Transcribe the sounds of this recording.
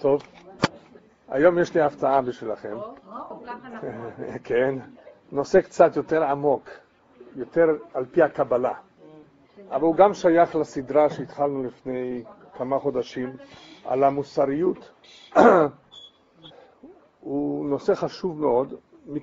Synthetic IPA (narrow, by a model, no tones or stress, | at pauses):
t̪o̞v | a̰jo̞mjeʃliaft͡saabiʃvilaχe̞m | kʰen | no̞sekt͡sat̪jo̞t̪eʁamo̞k | jo̞t̪eʁalpihakabala | ʔavaluɡamʃajaχlasid̪ʁaʃeit̪χalnulifne̞j | kamaχo̞d̪aʃima̰lamusaʁijut̪ | uno̞seχaʃuvmeo̞d̪ | mi